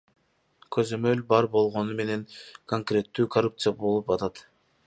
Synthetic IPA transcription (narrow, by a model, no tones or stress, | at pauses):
kʰø̞zø̞mø̞lbɑɾbo̞lˠʁo̞nume̞ne̞ŋkʰoŋkrʲe̞t̪ːyːkʰɐrup̚t̪sɨjabo̞lˠupɑt̪ɑt̪